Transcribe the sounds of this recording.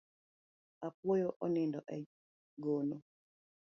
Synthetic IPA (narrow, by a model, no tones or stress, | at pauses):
apwɔjoʔɔnɪndɔʔɛ | ɡono